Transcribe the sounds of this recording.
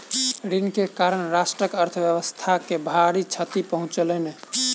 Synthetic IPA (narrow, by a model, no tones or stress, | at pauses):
ɾinkekaɾənɾasʈɾəkəɾt̪ʰəbjəβəst̪ʰakebʱaɾit͡ʃʰət̪ipəɦũt͡ʃələne